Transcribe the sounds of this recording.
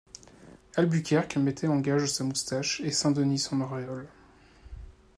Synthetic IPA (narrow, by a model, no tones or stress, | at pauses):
albykʲɛʁkmɛt̪ʰɛɑ̃ɡʲaʒəsamust̪aʃesɛ̃d̪ənisɔ̃nɔʁeɔl